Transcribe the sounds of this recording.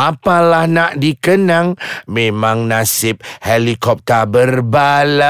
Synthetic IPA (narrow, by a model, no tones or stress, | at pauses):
apalahnaʔdikənaŋmẽmãŋnasɪp̚helikɔp̚t̪əbərbala